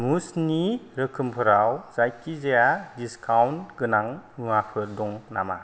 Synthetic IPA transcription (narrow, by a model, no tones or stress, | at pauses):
musniɾɯkʰɯmpʰɯɾawzajkizejadiskʰawntɡɯnaŋmɯapʰɯɾdɔŋna̰ma̰